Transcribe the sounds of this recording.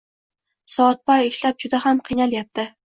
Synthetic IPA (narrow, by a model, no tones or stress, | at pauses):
sɒɒt̪̚bɒjeʃlap̚d͡ʒʊd̪ahamqʰijnaljap̚t̪ɪ